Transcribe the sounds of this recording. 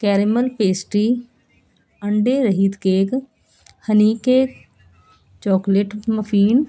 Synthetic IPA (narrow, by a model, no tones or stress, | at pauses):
kɛːɾɪməlpeːsʈiː | əɳɖeːɾəɦiːt̪keːk | həniːkeː | t͡ʃɔːkleʈməpʰiːn